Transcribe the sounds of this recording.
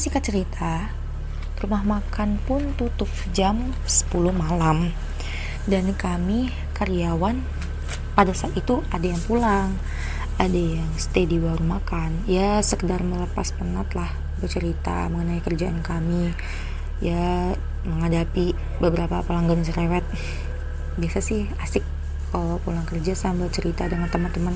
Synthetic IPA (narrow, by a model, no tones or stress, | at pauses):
sikat͡ʃəɾit̪ʰa | rumahmakʰanpʊnt̪ut̪ʊp̚d͡ʒam | sə̥pulʊhmalam | dankami | kaɾiawan | padasaat̪it̪uʔadajaŋpulaŋ | adajaŋsə̥t̪ediwaɾumakanjasəkədarmələpaspənat̪lah | bərt͡ʃəɾit̪a̰məŋənaikərd͡ʒaʔankami | ja | məŋadapi | bəbəɾapapəlaŋɡəsəɾewɛt̪̚ | biasasɪhasɪk̚ | alpulaŋkərd͡ʒasanbərt͡ʃəɾit̪adəŋant̪əmant̪əman